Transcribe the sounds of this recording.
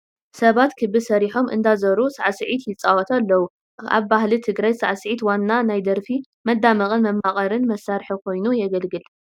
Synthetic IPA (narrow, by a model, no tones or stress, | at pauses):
sɐβat̪kʰɨbɨsɐɾiħo̞mʔɨ̰nd̪azɐɾusaʕsɨʕit̪jɪt͡sʼawɐt̪ʰalːɐwu | a̰βbahlit̪ʰɨɡɾajsaʕsɨʕit̪wanːanajd̪ɐɾfi | mɐd̪ːamɐkʼɨnmɐmːaχʼɐɾɨnmɐsaɾħɨkʰo̞jnujɛɡɐlɡɨl